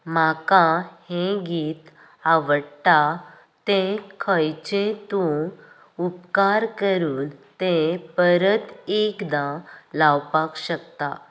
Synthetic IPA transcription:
makãhẽɡiːt̪ | aʋəɽʈ̪a | t̪ẽkʰəjt͡ɕẽt̪u | upkaɾkəɾuːnt̪ẽpəɾət̪ekd̪ãlawpakɕəkt̪a

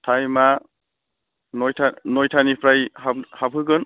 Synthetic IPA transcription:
tʰajma | nɔjtʰanɔjtʰanipʰɾajɦahabʰʱɯɡɯn

